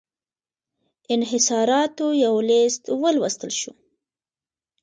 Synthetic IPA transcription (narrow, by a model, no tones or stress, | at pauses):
ɪnɦɪsɑɾɑt̪ojawlɪst̪wəlwəst̪əlʃu